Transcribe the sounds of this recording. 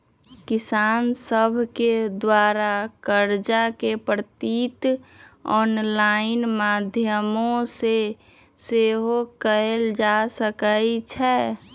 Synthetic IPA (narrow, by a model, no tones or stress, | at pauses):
kɪsaːnsəbʱked̪waːɾakəɾd͡ʒakepɾt̪it̪ | ɔːnlaɪnmaːd̪ʱjəmõse | seɦokəeld͡ʒasəkəit͡ʃʰɛ